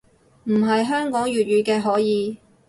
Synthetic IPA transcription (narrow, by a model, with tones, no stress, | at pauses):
m̩˨˩ɦɐ˨jɦœː˥ŋkɔː˨˥ŋjyː˨t̚ɥyː˨˧kɛː˧ɦɔː˨˥jiː˨˧